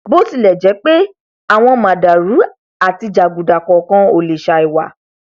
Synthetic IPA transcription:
bo˦ti˧˦lɛ˨d͡ʒɛ˨˦k͡pe˦ | a˦˨w̃ɔ̃˧mã˨da˨ɾu˨˦ | a˦˨ti˧d͡ʒa˨ɡu˨da˨kɔ˨kã˧o˨le˨ʃa˧i˨wa˨

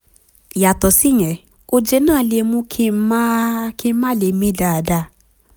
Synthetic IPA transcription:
ja˨tɔ˨sɪ˦˨ɲɛ˨ | o˦d͡ʒe˦na˦a˨lje˨mu˦kʰi˦ma˦kɪ˦ma˦˨le˨mi˦da˨da˦˨

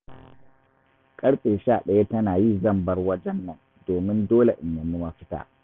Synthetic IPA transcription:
kʼɐ˦ɽɸʼeː˨ʃaː˦˨ɗɐ˨ja˦tɐ˦naː˨ji˦˨zɐ˦˨mbɐ˦rwɐ˦d͡ʒɛ˦nːɐ˦˨n | doː˨mɪ˦ndoː˦le˨ʔɪ˨mːɐ˨mi˦mɐ˦ɸɪ˦ta̰ː˨

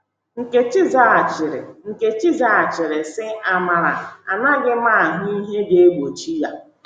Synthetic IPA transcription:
ŋ̩˨ke˦t͡ʃɪ˦za˦a˨t͡ʃɪ˨ɾɪ̰˨ŋ̩˨ke˨t͡ʃi˦za˦a˨t͡ʃɪ˨ɾɪ˨sɪ˦a˦ma˨ɾa˨a̰˨na˦ɡɪ˦ma˦a˨ɦʊ˦i˦ɦe˦ɡe˦e˦ɡʷo˨t͡ʃi˦ja˨

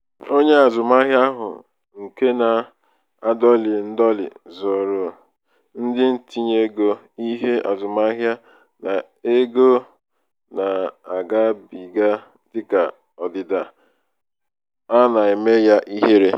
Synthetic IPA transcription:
o˦ɲe˦a˨zʊ˨ma˦ɦja˦ɦʊ̰˨ | ŋ̩˨ke˦na˨ | a˨dɔ˦lɪ˨n̩˦dɔ˦lɪ̰˨zɔ˨ɾʊ˨ | n̩˦dɪ˦n̩˨ti˦ɲe˦ɡo˦ | i˦ɦe˦a˨zʊ˨ma˦ɦja˦ | na˨ | e˦ɡo˦ | na˨a˨ɡa˦bi˨ɡa˦ | dɪ˦ka̰˨ | ɔ˨dɪ˨da˨ | a˦na˨e˨me˦ja˦ʔi˦ɦe˦ɾe˦

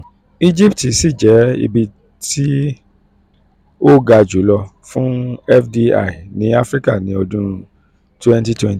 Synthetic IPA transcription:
i˦d͡ʒi˦˨pti˨si˦˨d͡ʒɛ˨˦ḭ˧bi˧ | ti˦ | o˦ɡa˧d͡ʒu˨˦lɔ˧ | fũ˦ɛ˦fdi˦a̰˨i˨nĩ˨˦a˦fɾi˦ka˦˨nĩ˨˦ɔ˧dũ˦ɾũ˧ | twɛ̃˦nti˦twɛ̃˦nti˨

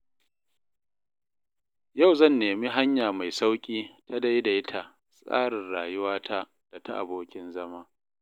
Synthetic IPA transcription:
ja˦˨wzɐ˦˨nːeː˨mi˦ɦa˦ɲjaː˨ma˨jsa˦wkʲʼiː˦ta˦da˦jda˨jɪ˦tʰa˨ʔ | sʼa̰ː˦ɽɪ˨nɽaː˨jʊ˦waː˦tʰa˦ | d̥a˨ta˦ʔa̰˨boː˦kʲɪ˦nzɐ˦maː˦

